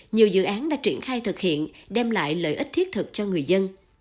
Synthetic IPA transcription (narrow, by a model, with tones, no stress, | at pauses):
ɲi˨˩əwzɨ̰˧˨ʔaː˨˦nɗa̰ː˧˥t͡ɕwi˧˩ənxaː˧jt̪ʰɨ˨˩k̚hḭ˧˨ənɗɛ˧mla̰ː˧˨jlə̰ː˧˨jʔi˦˥t̚t̪ʰi˦˥t̚t̪ʰɨ˨˩k̚t͡ɕɔ˧ŋɨ˨˩əjzə˧n